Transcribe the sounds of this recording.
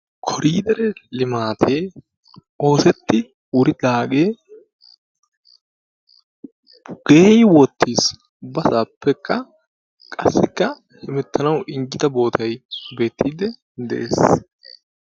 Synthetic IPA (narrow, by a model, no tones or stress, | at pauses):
kʰɔɾiːd̪ɛɾɛlɪmaːt̪ʰeː | o̞ːsɛt̪ːɪ | wʊɾɪd̪aːɡeː | ɡ̥eːjwɔt̪ːiːs | bɐsaːpːɛkːɐ | kʼɐsːɪkːɐ | hɪmɛt̪ːɐnɐwɪŋɡɪd̪ɐbo̞ːt̪ʰɐjbe̞ːt̪ʰːiːd̪ɛ | d̪ɛʔḛːs